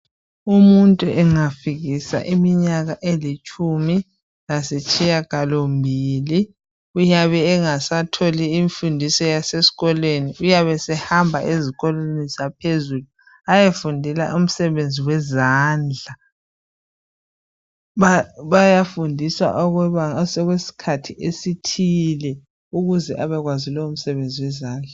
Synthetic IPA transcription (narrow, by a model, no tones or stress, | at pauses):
umuntʼuʔɛŋafiɣisa̰ʔimiɲaɣaʔelit͡ʃʼumi | lasɛt͡ʃʼijakalombʱiːli | ujaβɛːŋasatʰoliːɱfundʱisɔjasesi̥ɣɔlweniujaβɛsɛhambʱaʔeziɣɔlenizapʰezulu | ajefundʱɛla̰ʔum̩sɛβend͡zʱiwɛzaːnd͡ɮʱa | βaβajafundʱisa̰ʔɔɣsɔɣwesi̥kʰatʰiʔesitʰilɛ | uɣuzɛʔaβɛɣwazilɔum̩sɛβend͡zʱiwɛzaːnd͡ɮʱa